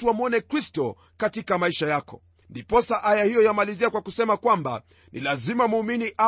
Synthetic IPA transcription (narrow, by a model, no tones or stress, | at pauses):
tuamuɔnɛkɾistɔ | katikamaiʃajakɔ̰ | ndipɔsaʔajahijɔjamaliziakwakusɛmakwamba̰ | nʔḭlazimamuːminiʔa